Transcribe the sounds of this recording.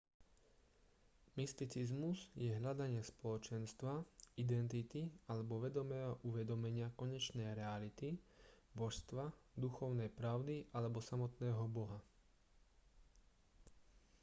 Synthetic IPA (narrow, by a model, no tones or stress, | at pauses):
mist̪it͡sizmuzjɛɦʎad̪aɲɪaspɔlɔt͡ʃɛnst̪ʋaid̪ɛnt̪it̪ialɛbɔʋɛd̪ɔmɛːɦɔʔuʋɛd̪ɔmɛɲɪakɔɲɛt͡ʃnɛjɾɛalit̪ibɔʃst̪ʋad̪uxɔʊnɛjpɾaʊd̪iʔalɛbɔsamɔt̪nɛːɦɔbɔɦa